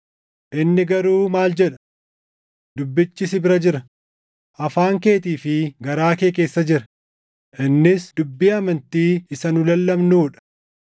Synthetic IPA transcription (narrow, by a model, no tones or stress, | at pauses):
ʔɪnːɪɡɐɾuːmaːld͡ʒɛᶑɐ̥ | d̪̥ʊbːɪt͡ʃːɪsɪbɪɾɐd͡ʒɪɾɐ | ʔɐfaːŋke̞ːt̪iːfɪɡɐɾaːkeːke̞ːsːɐd͡ʒɪɾɐ | ʔɪnːɪsd̪̥ʊbːiːɐmɐnt̪iːɪsɐnʊlɐlːɐmnuːᶑɐ̥